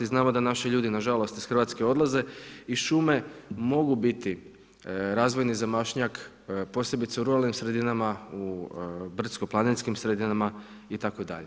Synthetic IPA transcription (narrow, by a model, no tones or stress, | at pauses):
iznaːmo̞d̪anaʃiʎuːd̪inaʒalˠo̞st̪i̥sxr̩ʋat̪skeo̞d̪lˠaze̞iʃume̞mo̞ɡubit̪i | ɾaːzʋo̞jnizamaʃɲak | po̞sje̞bit̪seuɾualnimsɾe̞d̪inamaubr̩t̪sko̞plˠaninskimsɾed̪inama | it̪akod̪a̰ʎe